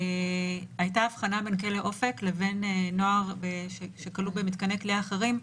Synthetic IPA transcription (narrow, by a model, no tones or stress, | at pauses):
ajtaːvχanabenkeleʔo̞fe̞kle̞ve̞nno̞aʁbeʃeʃe̞kalubemit̪̚kanekliaχeʁim